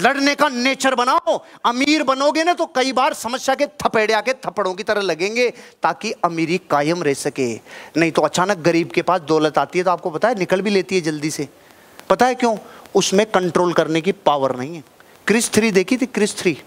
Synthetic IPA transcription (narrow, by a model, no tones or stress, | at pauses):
lɐɽnekaneːt͡ʃəɾbɐnaːoɐmiːɾbɐnoːɡenat̪okɐibaːɾsɐməsjaket̪ʰɐpeːɽaːket̪ʰɐpəɽõkit̪ɐɾəlɐɡẽːŋɡet̪aːkiɐmiːɾikaːjəmɾɛɦsɐkeːnɐɦĩt̪oɐt͡ʃaːnək̚ɡɐɾiːbkepaːsd̪ɔːlət̪aːt̪iɦɛt̪oaːp̚kopɐt̪aɦɛnɪkəlbʱileːt̪iɦɛd͡ʒɐld̪ise | pɐt̪aɦɛkjõːʊsmẽkɐ̃ɳʈɾoːlkɐɾnekipaːʋəɾnɐɦĩɦɛː | kɾɪst̪ʰɾid̪eːkʰit̪ikɾɪst̪ʰɾiː